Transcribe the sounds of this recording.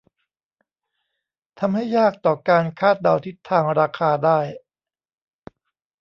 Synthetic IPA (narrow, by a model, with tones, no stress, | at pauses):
t̪ʰa˧mha˥˩jːaː˥˩k̚t̪ɔː˨˩kaː˧nkʰaː˥˩t̪̚da˧wt̪ʰi˦˥t̪ʰːaː˧ŋɾaː˧kʰaː˧daː˥˩j